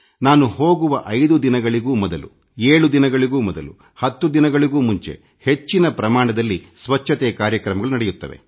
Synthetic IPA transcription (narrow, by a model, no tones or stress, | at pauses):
naːnuɦoːɡuʋɐʔɐjd̪ud̪inɐɡɐɭiɡuːmɔd̪ɐlṵ | eːɭud̪inɐɡɐɭiɡuːmɔd̪ɐlu | hɐt̪ːud̪inɐɡɐɭiɡuːmuɲt͡ʃe̞̰ | he̞t͡ʃːinɐpɾɐmaːɳɐd̪ɐlːisʋɐt͡ʃʰːɐt̪eːkaːɾjɐkɾɐmɐɡɐɭunɐɽɛjut̪ːɐ̰ʋe̞̰